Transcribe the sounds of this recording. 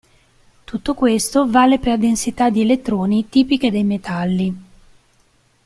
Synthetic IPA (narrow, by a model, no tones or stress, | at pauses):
t̪ut̪ːokwest̪ovaːleperd̪ensit̪ad̪ielet̪ːɾoːnit̪iːpik̟ed̪ejmet̪alːi